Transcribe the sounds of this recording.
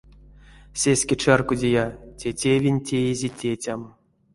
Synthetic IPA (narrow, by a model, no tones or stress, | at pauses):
sʲesʲkʲet͡ʃarkudʲejatʲetʲevʲinʲtʲejezʲetʲet͡sʲam